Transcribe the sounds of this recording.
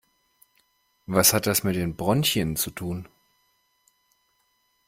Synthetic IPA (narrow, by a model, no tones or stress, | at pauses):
vashat̚d̥asmɪt̚d̥eːnbʁɔnçənt͡sutʰuːn